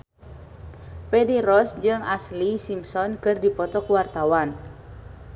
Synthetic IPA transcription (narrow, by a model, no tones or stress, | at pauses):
pɛdiɾɔsd͡ʒɨŋaslisimsɔnkɨrdipɔt̪ɔkwart̪awan